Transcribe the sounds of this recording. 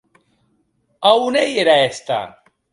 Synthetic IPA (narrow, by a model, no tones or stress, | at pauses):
awnejeɾaest̪a̰